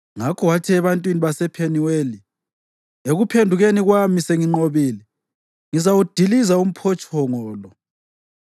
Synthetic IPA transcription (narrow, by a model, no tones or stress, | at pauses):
ŋakʰɔwatʰiɛβantʼwiniβasɛpʰeniweli | eɣupʰendʱuɣeniɣwamiseŋiŋ͡ǃoβiːlɛ | ŋizawud̥ʱilizaum̩pʰɔt͡ʃʼʰɔŋɔːlɔ